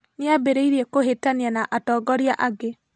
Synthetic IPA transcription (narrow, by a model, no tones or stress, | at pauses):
nɪabeɾeiɾiɛkoɦetanianaʔatɔːɡɔɾiaʔaɡe